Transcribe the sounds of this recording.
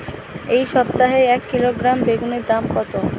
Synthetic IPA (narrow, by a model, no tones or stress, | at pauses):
ejʃɔb̚t̪aɦeɛkːiloɡɾambeɡuneɾd̪amkɔt̪o